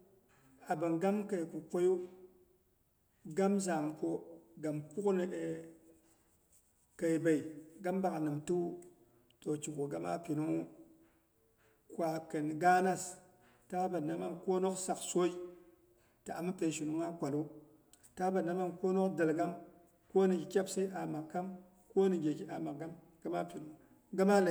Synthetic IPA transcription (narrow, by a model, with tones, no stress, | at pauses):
a˨ba˨ŋɡa˦mka˨jku˨ko˦ju˦ | ɡa˦mza˨mko˦ɡa˨mku˦kne˨e˨ | ka˨jba˨i˨ɡa˦mba˨knɨ˨mtu˦ | to˨t͡ʃi˨ko˨ɡa˦ma̰˦pi˨nu˦ | kʷa˨kə˨n˨ɡa˦na˦s | ta˦ba˨na˦ma˦nko˦no˦ksa˨kso˦i˦ | ta˨a̰˨ma˦pe˨ʃu˨nu˨˦ŋa˦kʷa˨lu˦ | ta˦ba˨nːa˦ma˦nko˦no˦kda˨lɡa˦m | ko˦ni˨ɡi˨kʲa˦bsa˦i˦ʔa˨ma˨kːa˦m | ko˦ni˨ɡʲe˨ɡi˦ʔa˨ma˨k̚ɡa˦m | ɡ̥a˦ma˦pi˨nu˦ | ɡa˦ma˦la˨